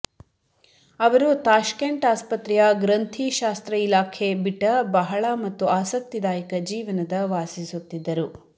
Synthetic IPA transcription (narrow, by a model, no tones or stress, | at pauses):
ɐʋɐɾut̪aːʃkeɳʈaːspɐt̪ɾijɐɡɾɐnt̪ʰiʃaːst̪ɾɐilaːkʰebiʈːɐbɐɦɐɭɐmɐt̪ːuaːsɐk̚t̪id̪aːjɐkɐd͡ʒiːʋɐnɐd̪ɐʋaːsisut̪ːid̪ːɐɾu